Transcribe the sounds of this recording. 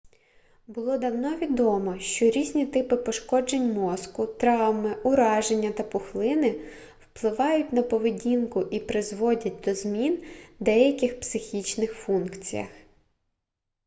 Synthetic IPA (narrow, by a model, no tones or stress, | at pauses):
bʊlˠɔd̪ɐwnɔʋʲid̪ɔmɔʃt͡ʃɔɾʲizʲnʲit̪ɪpɪpɔʃkɔd͡ʒenʲmɔskʊt̪ɾɑwmɪʊɾɑʒenʲːɐt̪ɐpʊxlˠɪnɪ | wplˠɪʋɑjʊtʲnɐpɔʋɪdʲinkʊʔipɾɪzʋɔdʲɐt̚ʲd̪ɔzmʲind̪ɛjɐkʲɪxpsɪxʲit͡ʃnɪxfunkt͡sʲḭjɐ̰x